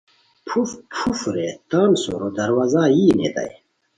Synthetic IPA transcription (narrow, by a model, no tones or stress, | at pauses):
pʰufpʰufɾet̪aːnso̰ɾod̪ɐɾwaːzaːjiːnḛt̪a̰j